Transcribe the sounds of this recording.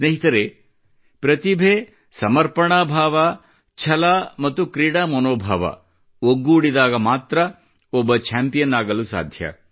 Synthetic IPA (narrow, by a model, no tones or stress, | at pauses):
sneɦit̪ɐɾe | pɾɐt̪ibʱeː | sɐmɐɾpɐɳaːbʱaːʋɐ | t͡ʃʰɐlamɐt̪ːukɾiːɽaːmɐnoːbʱa̰ːʋɐ̰ | oɡːuːɽid̪aːɡɐmaːt̪ɾɐ | ɔbːɐt͡ʃʰaːmpijɐnaːɡɐlusa̰ːd̪ʱjɐ̰